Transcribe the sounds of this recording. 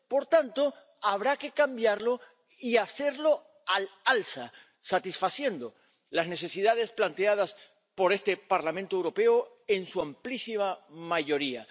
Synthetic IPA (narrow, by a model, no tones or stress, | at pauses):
po̞ɾt̪ant̪o̞ | aβɾake̞kambjaɾlo̞ | iaθe̞ɾlo̞ | alalsa | sat̪isfaθje̞nd̪o̞ | lazne̞θe̞siðað̞e̞splant̪eað̞as | po̞ɾe̞st̪e̞paɾlamẽnt̪oewɾo̞pe̞o | e̞nsuamplisimamaʝo̞ɾia̰